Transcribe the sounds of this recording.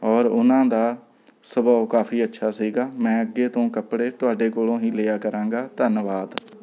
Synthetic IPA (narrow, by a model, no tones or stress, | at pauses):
ɔːɾʊnãːd̪aː | səbaokaːpʰiːətːʃʰaːsiːɡaːmɛ̃ːəɡːeːt̪õːkəpɽeːt̪ʊaːɖeːkolõːɦĩːlejaːkəɾãːŋɡaːt̪ənʋaːd̪